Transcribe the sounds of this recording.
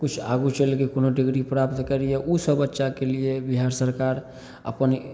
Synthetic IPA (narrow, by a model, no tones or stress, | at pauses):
kut͡ʃʰa̰ɡut͡ʃəlkikonoɖiɡɾipɾapt̪kəɾijeʔusəbətːʃakeliebiɦaɾsəɾkaɾ | ə̰pən